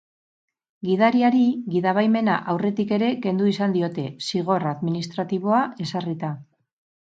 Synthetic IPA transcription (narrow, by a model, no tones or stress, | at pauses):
ɡiðaɾiaɾiɣiðaβ̞ajme̞na̰ʔawre̞t̪ike̞ɾe̞ke̞nd̪uisand̪io̞t̪e̞siɣo̞raðminist̪ɾat̪iβ̞o̞ae̞sarit̪a